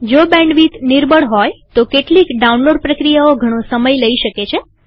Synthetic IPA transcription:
d͡ʒobɛ̃ɳɖʋit̪niɾbəɽɦɔjt̪okeʈlikɖaunloɖ̚pɾəkɾijaoɡʱəɽ̃osəməjləiʃəket͡ʃʰe

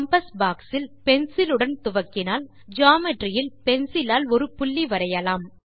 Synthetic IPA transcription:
ɐmpɐsbaːksɪlpɛnsɪlɯɽɐnt̪ʊʋɐkːɪnaːl | d͡ʒaːmɪʈrɪjɪlpɛnsɪlaːlɔɾɯpʊɭːiʋɐɾɐjɐlaːm

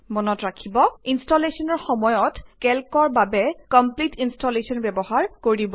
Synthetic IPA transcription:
mɔnɔtɹakʰibɔinstɔlesɔnɔɹxɔmɔjɔtkɛlkɔɹbabɛkɔmplitinstɔlesɔnbɛbɔɦaɹkoɹibɔ

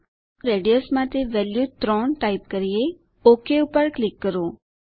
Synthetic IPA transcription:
ɾeɖijosmãt̪eʋɛljut̪ɾɔɳʈaip̚kəɾie | okeupəɾklɪkːəɾo

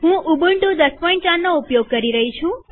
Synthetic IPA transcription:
ɦũubuɳʈod̪əspɔĩɳʈʈanːoupjoɡ̚kəɾiɾəɦit͡ʃʰũ

